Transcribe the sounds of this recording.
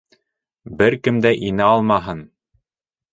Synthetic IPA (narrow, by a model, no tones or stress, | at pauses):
bɘɾkɘmd̪æʔinɘɑlˠmɑɦɤn